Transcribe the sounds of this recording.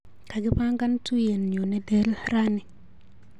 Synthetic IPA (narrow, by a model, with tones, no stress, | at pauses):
ka˨ɡi˦pa˦ŋɡa˦ntu˦je˨nɲo˨nɛ˦de˦lɾa˦ni˨